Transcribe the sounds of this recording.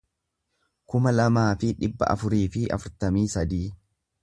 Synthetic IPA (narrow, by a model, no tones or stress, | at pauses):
kʊmɐlɐmaːfɪᶑɪbːɐ̰ʔɐ̰fʊɾiːfɪʔɐ̰fʊɾt̪ɐmiːsɐd̪iː